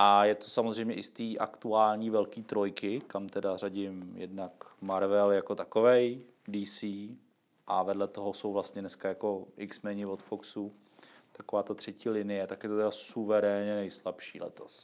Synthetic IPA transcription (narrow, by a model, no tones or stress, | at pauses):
ʔajɛt̪o̥samozr̝ɛjmɲɛʔɪst̪iːʔa̰kt̪uaːlɲiːvɛlkiːt̪ɾo̞jkɪkamt̪ɛdaraɟɪmjɛ̰dnakmaɾvɛljako̞t̪akovɛj | diːsiː | ʔavɛdlɛt̪o̞ɦoso̞wvlast̪ɲɛnɛskajako̞ʔɪksmɛːɲɪvot̪foksu | t̪akovaːt̪at̪r̥ɛciːlɪnɪjɛt̪akjɛt̪ot̪ɛdasuvɛɾɛːɲɛnɛjslapʃḭːlɛ̰t̪os